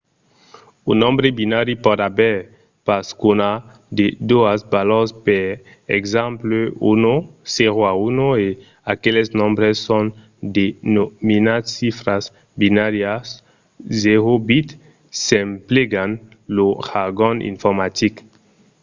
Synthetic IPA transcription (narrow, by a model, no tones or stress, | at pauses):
unɔ̃mbɾebinaɾipɔdabɛ | paskona | d̪ed̪oasbalɔspe | ɛkzãmpløṵnoseʁoaunoe | akelesnɔ̃mbɾesːɔ̃n | d̪enominad̪sifɾas | binaɾjas | zeʁobit̪ | sɛ̃mpleɡan | loʁaɡɔ̃nḭ̃ɱfɔʁmat̪ik